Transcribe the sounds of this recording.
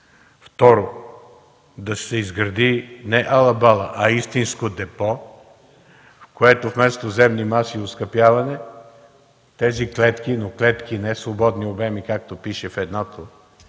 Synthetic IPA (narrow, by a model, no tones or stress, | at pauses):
ft̪ɔɾo | d̪ɐsɛizɡɾɐd̪inɛʔɐlˠɐbalˠəʔɐist̪inskod̪ɛpɔ | fkoɛt̪ofmɛst̪ozɛmnimasioskɐpjavɐnɛ | t̪ɛziklɛt̪kinoklɛt̪k̟inɛsvobɔd̪niobɛmikak̚t̪opiʃɛfɛd̪nɔt̪o